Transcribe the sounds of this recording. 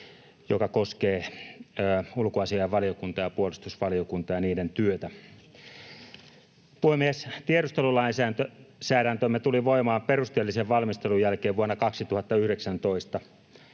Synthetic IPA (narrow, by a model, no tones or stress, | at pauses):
jokɑkoskeː | ulkoɑsiɑʋʋɑliokunt̪ɑjɑpuolist̪usʋɑliokunt̪ɑjɑniːdent̪yøt̪æ | puhemːiest̪ieɾust̪elulɑinsæːnt̪øsæːɾænt̪ømːet̪uliʋoimɑːmperust̪eːlːiseʋʋɑlmist̪elujjælkeːʋuonːɑkɑksit̪uhɑt̪ːɑyhɾeksænt̪oist̪ɑ